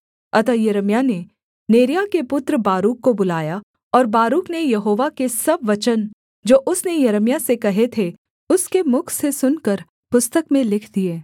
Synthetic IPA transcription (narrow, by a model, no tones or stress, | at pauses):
ɐt̪ajɐɾəmjane | neːɾijakepʊt̪ɾəbaːɾuːkːobʊlaːja | ɔːɾbaːɾuːknejɐɦoːʋakesɐbʋɐt͡ʃən | d͡ʒoːʔʊsnejɐɾəmjasekɐɦet̪ʰe | ʊskemʊkʰsesʊnkəɾ | pʊst̪əkmẽlɪkʰd̪ieː